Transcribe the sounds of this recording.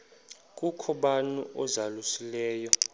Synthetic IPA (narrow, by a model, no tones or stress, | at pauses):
k̬ʼukʰɔɓanṵʔɔzalusilɛːjɔ